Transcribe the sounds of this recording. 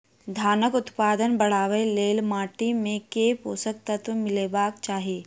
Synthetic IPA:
d̪ʱaːnəkʊt̪paːd̪ənbɐɽ̤aːʋeleːlmaːʈimẽkeːpoːsək̚t̪ət̪ʋəmɪleːbaːkt͡ʃaːɦieː

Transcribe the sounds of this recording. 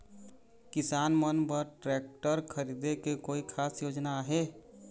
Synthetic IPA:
kɪsaːnmənbəɾʈɾeːk̚ʈəɾkʰəɾid̪ekekoːikʰaːsjoːd͡ʒnaɦe

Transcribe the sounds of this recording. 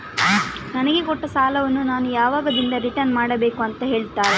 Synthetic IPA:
nɐnɐɡekɔʈːɐsaːlɐʋɐnːunaːnujaːʋaːɡɐd̪ind̪ɐɾiʈɐnmaːɽɐbe̞ːkuɐnt̪ɐɦe̞ːɭt̪aːɾe

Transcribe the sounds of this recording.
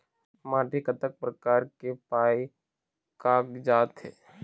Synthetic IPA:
mãːʈikət̪ək̚pɾəkaːɾkepaːi | kaːkd͡ʒaːt̪ɦɛː

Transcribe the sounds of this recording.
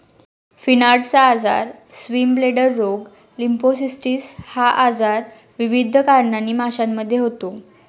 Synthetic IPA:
finaɾɖt͡saːd͡za̰ɾsʋimbleɽəɾːoɡ | limposisʈiːshaʔad͡zaɾ | ʋiʋid̪ʱəkaɾɳanːiːmaɕamːəd̪ʱːjeɦot̪o

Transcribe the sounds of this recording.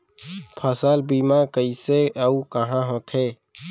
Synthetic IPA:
pʰəsaːlbiːmakəiseəukəɦãɦõːt̪ʰeː

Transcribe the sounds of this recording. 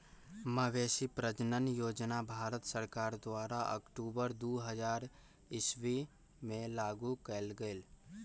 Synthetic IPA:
məʋeːsipɾəd͡ʒnənjoːd͡ʒnabʱaːɾət̪səɾkaːɾd̪ʊaːɾaʔə̰kʈuːbəɾd̪uːɦəd͡ʒaːɾ | ɪswi | mẽlaːɡukəlɡəɪl

